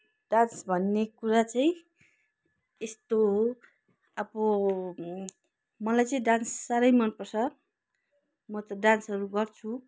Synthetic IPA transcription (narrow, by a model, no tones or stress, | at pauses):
ɖ̥ansbʱʌnːekuɾat͡saĩ | est̪o | ʌbʌ | mʌlajt͡saĩɖansːaɾʌjmʌnpʌrsʰʌ | mʌt̪ʌɖansʌɾuɡʌrt͡sʰu